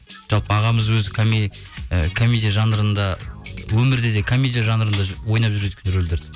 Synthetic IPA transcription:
ʒ̥ɑlˠpəɑʁɑməzwɵzɪkʰomiəkʰomʲid̪ijaʒɑnəɾənd̪ɑwɵmɪɾd̪e̞d̪e̞kʰomʲid̪ijaʒɑnəɾənd̪ɑwo̞jnɑp̚ʒʏɾe̞d̪ɪkʰʲɪnɪɾɵld̪eɾd̪ɪ̥

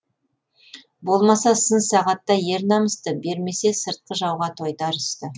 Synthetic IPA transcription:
bo̞lˠmɑsɑsənsɑʁɑt̪ːɑje̞ɾnɑməst̪əbe̞ɾme̞se̞səɾt̪̚qəʒɑwʁɑt̪ʰo̞jd̪ɑɾəst̪ə

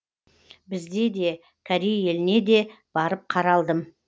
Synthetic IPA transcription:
bɪzd̪e̞d̪e̞ | kʲʰaɾijje̞lɪne̞d̪e̞b̥ɑɾəp̚qʰɑɾɑlˠd̪əm

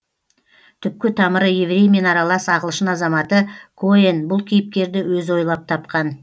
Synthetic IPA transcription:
t̪ʰʏp̚kʲɪt̪ʰɑməɾəjevɾʲe̞jme̞nɑɾɑlˠɑsɑʁəlˠʃənɑzɑmɑt̪əkʰoenbʊlˠkʲʰijɪp̚k̪ʲe̞ɾd̪ɪwɵzo̞jlˠɑp̚t̪ʰɑp̚qɑn

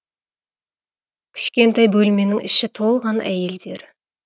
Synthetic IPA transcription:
kʲʰɪ̥ʃkʲe̞nt̪ɑjbɵlme̞nɪŋʔɪʃɪt̪ʰo̞lˠʁɑnʔæ̰je̞ld̪e̞ɾ

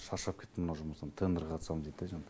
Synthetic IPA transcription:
ʃɑʃɑp̚kʲʰe̞t̪ːɪmənɑwʒʊməst̪ɑnt̪ʰend̪əɾqʰɑt̪sɑmzet̪ːeʒɑn

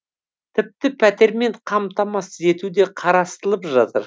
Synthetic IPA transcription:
t̪ʰɪp̚t̪ɪpʰæt̪e̞ɾme̞ɴqʰɑmt̪ɑmɑsze̞t̪ud̪e̞qʰɑɾɑst̪əlˠəpʒɑt̪ə̰ɾ

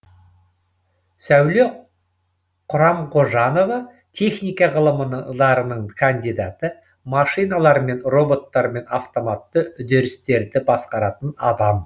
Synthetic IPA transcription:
sæwle̞ | qʰʊɾɑmqʰo̞ʒɑno̞vɑ | t̪ʲʰe̞χnijkɑʁəlˠəməɑɾənəɴkʰand̪ijd̪ɑt̪ə | mɑʃijnɑlˠɑɾme̞nro̞bo̞t̪ːɑɾme̞nɑft̪o̞mɑt̪ːəʏd̪e̞ɾɪst̪e̞ɾd̪ɪbɑsqɑɾɑt̪ənɑd̪ɑm

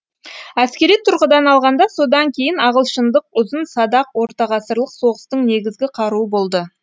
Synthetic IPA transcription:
æskʲe̞ɾijt̪ʰʊɾʁəd̪ɑnɑlˠʁɑnd̪ɑso̞d̪ɑŋkʲʰe̞jɪnɑʁəlˠʃənd̪əqʊzənsɑd̪ɑqwo̞ɾt̪ɑʁɑsəɾlˠəqso̞ʁəst̪əɴne̞ɡʲɪzɡʲɪqʰɑɾuəbo̞lˠd̪ə

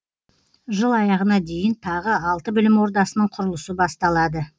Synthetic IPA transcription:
ʒəlˠɑjɑʁənɑd̪e̞jɪnt̪ʰɑʁəɑlˠt̪əbʏlɪmwo̞ɾd̪ɑsənəɴqʰʊɾəlˠəsəbɑst̪ɑlˠɑd̪ə

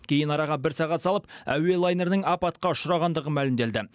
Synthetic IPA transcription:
kʲʰe̞jɪnɑɾɑʁɑbɪɾsɑʁɑt̪sɑlˠəpæ̰we̞lˠɑjne̞ɾnəŋɑpɑt̪̚qɑʊʃəɾɑʁɑnd̪əʁəmælɪmd̪e̞ld̪ɪ

